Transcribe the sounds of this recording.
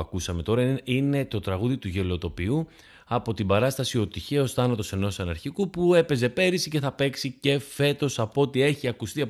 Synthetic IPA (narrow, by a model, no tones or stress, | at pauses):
ɐkusɐme̞t̪o̞ɾɐine̞t̪o̞t̪ɾɐɣuðit̪uʝe̞lo̞t̪o̞piu | ɐpo̞t̪ibɐɾɐst̪ɐsio̞t̪içe̞o̞sθɐnɐt̪o̞se̞no̞sɐnɐɾçikupue̞pe̞ze̞pe̞ɾisice̞θɐpe̞ksice̞fe̞t̪o̞sɐpoot̪ie̞çiɐkust̪iɐ